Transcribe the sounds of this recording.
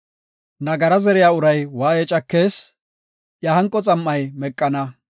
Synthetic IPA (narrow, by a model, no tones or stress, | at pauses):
nɐɡɐɾɐzɛɾɪjaːʊɾɐjwaːjɛt͡ʃʼɐkːe̞ːs | jɐhɐŋkʼːɔt͡sʼɐmːɐjmɛkʼːɐnɐ